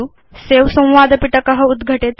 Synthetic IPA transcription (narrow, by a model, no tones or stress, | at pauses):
u | seʋsə̃w̃ʋad̪piʈəkəɦəud̪ɡʱəʈet̪